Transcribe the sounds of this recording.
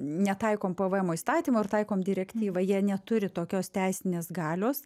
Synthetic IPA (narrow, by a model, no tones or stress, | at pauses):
nʲɛt̪ɐɪkoːmpoʋəɛmoːist̪ɑːt̪ʲiːmoːɪrt̪ɐɪkoːmd̪ʲɪɾʲɛkʲt̪ʲiːʋɐjiɛnʲɛt̪ʊɾʲɪt̪oːkʲoːst̪ʲæɪsʲɪnʲeːsɡɑːlʲoːs